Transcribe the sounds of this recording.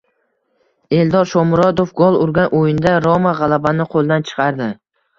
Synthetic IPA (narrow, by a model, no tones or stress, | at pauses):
e̞ld̪ɒɾʃɒmʊɾɒd̪ofɡolˠʊɾɡʲanʔojɪnd̪aɾɒmaʁɑlˠabanɪqʰolˠd̪ant͡ʃʰɨ̥qʰɑɾd̪ɪ